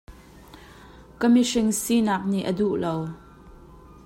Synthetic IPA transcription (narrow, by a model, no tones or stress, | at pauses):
kəmiʂɪŋsinaːk̚nḭʔəduʔlow